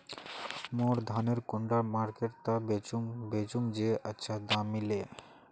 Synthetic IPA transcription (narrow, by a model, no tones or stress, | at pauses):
moɾd̪ʱaneɾkʊɳɖamaɾkeʈt̪abet͡ʃubet͡ʃuŋd͡ʒeʔətːʃʰad̪amile